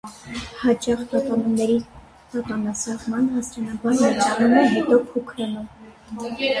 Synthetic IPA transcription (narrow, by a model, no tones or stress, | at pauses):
hɑt͡ʃɑχp̪ɑpɑnumnɛɾi | t̪ɑp̪ɑnɑsɑʁmɑnhɑsɾɑnɑbɑɾnɑɾd͡ʒɑnumɛɦɛt̪ɔpʰukʰɾɑnum